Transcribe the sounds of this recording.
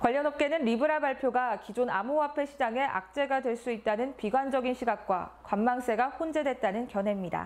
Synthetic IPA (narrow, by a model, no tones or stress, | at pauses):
kwaʎːʌnʌp̚k͈e̞nɯnɾibɯɾabaɭpʰjoɡakid͡ʑonamoapʰe̞ɕʰid͡ʑaŋe̞ʔa̰k̚t͡ɕ͈e̞ɡadwe̞ɭs͈uit̚t͈anɯnpiɡwand͡ʑʌɡinɕʰiɡak̚k͈wa̰kwamːaŋs͈e̞ɡaɸond͡ʑe̞dwe̞t̚t͈anɯnkjʌnɦe̞mɲida̰